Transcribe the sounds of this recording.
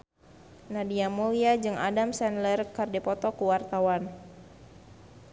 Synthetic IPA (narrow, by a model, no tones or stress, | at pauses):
nadiamuliad͡ʒɨŋa̰damsɛnlərkardɛpɔt̪ɔkuwart̪awan